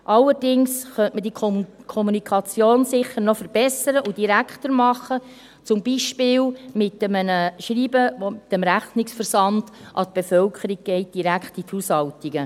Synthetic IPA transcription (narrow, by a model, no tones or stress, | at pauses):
ʔɑlːəɾdɪŋsχœntmədikʰɔmunikʰɑt͡sjoːnsɪχːəɾnɔfəɾb̥ɛsəɾəʔud̥iɾækχt̪əɾmɑχːə | t͡sʊmbiʃpɪːlmɪt̪ːəmənəʃɾiːbəvomɪtəmɾæχnɪksfəɾsɑnd̥ʔɑt̪̚b̥efœlkʰəɾiɡ̚ɡ̥ɛɪt̚d̥iɾækχtit̪hushɑltiɡə